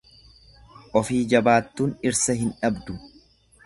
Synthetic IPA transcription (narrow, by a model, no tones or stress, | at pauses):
ʔɔfiːd͡ʒɐbaːt̪ːuːnɪɾsɐɦɪnᶑɐbd̪ʊ